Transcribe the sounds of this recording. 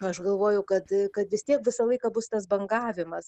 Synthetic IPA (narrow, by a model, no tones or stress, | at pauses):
ɐʃɡɐlˠʋoːjɛʊkɐt̪kɐt̪ʋʲɪst̪ʲiɛkʋʲɪsɐlˠɐɪkɑːbʊst̪ɐsbɐŋɡɑːʋʲɪmɐs